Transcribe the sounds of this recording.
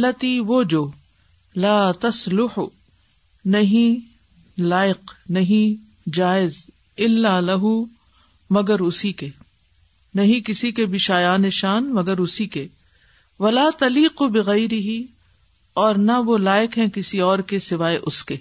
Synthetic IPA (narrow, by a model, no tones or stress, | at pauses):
ɐlːɐt̪iʋod͡ʒoː | laːt̪ɐslʊħ | nɐɦĩ | laːɪqnɐɦĩ | d͡ʒaːɪz | ɪlːalɐɦu | mɐɡəɾʊsike | nɐɦĩkɪsikebʱɪʃaːjaːneʃaːnmɐɡəɾʊsike | ʋɐlaːt̪ɐliːqbɪɣɐjɾɪɦi | ɔːɾnaʋolaːɪqɦɛ̃kɪsiɔːɾkesɪʋaːeʔʊskeː